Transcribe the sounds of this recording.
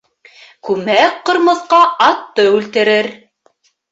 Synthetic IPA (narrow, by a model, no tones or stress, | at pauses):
kʉmækqŏɾmɤ̆ðqɑɑt̪ːɤʉlt̪ɘ̆ɾɘɾ